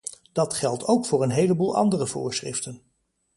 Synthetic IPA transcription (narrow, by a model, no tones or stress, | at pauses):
d̥ɑtχɛlˠtʰowkfʊːɹənɦejləbuːlˠɑ̰ndərəvʊ̰ːɹsχrɪ̰ftən